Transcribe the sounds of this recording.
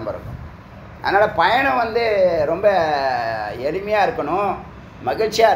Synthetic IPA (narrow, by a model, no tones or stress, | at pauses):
ɐmbɐɾɯ̰m̰ | ɐ̰ðɐnaːlɐpɐjɐɳɐ̃ʋɐnd̪ɯɾɔmbɐ | ɛɭɪmɐjaːɪɾɯkːɐɳʊ̃ | mɐɣɪɭt͡ʃɪjaː